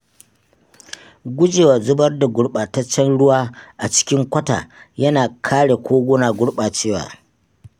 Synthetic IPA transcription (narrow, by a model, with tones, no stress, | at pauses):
ɡʷʊ˦d͡ʒeː˨waː˨zʊ˦bɐ˦rda˨ɡʷʊ˦ɽɓaː˨tɐ˦t͡ʃːɛ˦nɽʊ˦waː˦ʔa˨t͡ʃɪ̥˦kʲɪ˦ŋkʷɐ˦ta̰ː˨jɐ˦naː˨kʰaː˦ɽe˨kʷoː˦ɡʷʊ˦naː˨ɡʷʊ˦ɽɓaː˨t͡ʃeː˦wa̰ː˨